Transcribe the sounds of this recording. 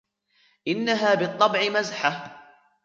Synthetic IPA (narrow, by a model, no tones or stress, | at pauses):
ʔɪnːaɦaːbɨt̪ˤːɑbʕɪmazħa